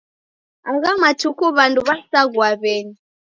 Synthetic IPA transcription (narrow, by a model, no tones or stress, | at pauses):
aɣamatʰukuβanduβasaɣwaβɛni